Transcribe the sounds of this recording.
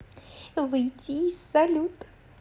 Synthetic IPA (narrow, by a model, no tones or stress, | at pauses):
vɨjtʲizːɐlʲut̪ə̥